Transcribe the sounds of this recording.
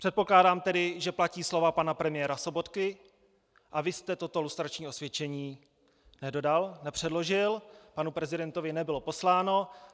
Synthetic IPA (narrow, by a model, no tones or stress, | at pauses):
pr̥ɛt̪̚po̞klaːdaːmt̪ɛdɪʒɛplaciːslo̞vapanapɾɛmɪjɛːɾaso̞bo̞t̪kɪ | ʔavɪst̪ɛt̪o̞t̪o̞lust̪ɾat͡ʃɲiːʔo̞svjɛt͡ʃɛɲiː | nɛdo̞dalnɛpr̝̥ɛdlo̞ʒɪlpanupɾɛzɪdɛnt̪o̞vɪnɛbɪlo̞po̞slaːno̞